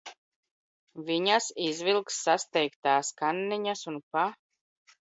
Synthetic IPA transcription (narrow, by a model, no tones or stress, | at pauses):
viɲasizvilˠksːast̪ɛjkt̪aːskanːiɲasunpa